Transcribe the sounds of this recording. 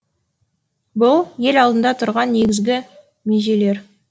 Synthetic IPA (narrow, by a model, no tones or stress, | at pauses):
bʊlˠje̞lɑlˠd̪ənd̪ɑt̪ʰʊɾʁɑnːe̞ɡʲɪzɡʲɪ | meʒe̞le̞ɾ